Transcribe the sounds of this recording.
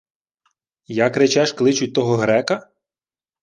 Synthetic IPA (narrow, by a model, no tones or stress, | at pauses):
jakɾet͡ʃɛʃklˠɪt͡ʃʊt̚ʲt̪ɔɦɔɦɾɛkɐ